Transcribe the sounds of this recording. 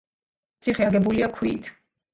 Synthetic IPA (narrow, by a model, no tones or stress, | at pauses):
t̪sʰiχɛɡɛbuliakʰwiːt̪ʰ